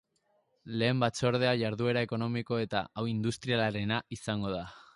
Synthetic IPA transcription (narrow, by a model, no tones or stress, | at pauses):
le̞ːmbat͡so̞ɾð̞e̞aʝaɾðue̞ɾae̞ko̞no̞miko̞e̞t̪a̰awind̪ust̪ɾialaɾe̞naisaŋɡo̞ða